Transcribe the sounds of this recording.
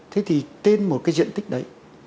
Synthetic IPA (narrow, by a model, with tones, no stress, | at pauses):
t̪ʰe˨˦t̪ʰi˨˩t̪e˧nmo˨˩t̚kaː˨˦jzḭ˧˨ənt̪ï˦˥k̚ɗə˨˦j